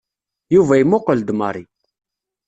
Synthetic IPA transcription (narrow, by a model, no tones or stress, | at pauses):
juvæjimːʊqəld̪mɑɾˤi